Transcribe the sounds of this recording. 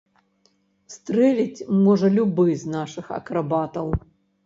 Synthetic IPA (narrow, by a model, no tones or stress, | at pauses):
st̪ɾɛlʲit͡sʲmɔʐɐlʲubɨznaʂɨxɐ̰kɾabat̪ɐw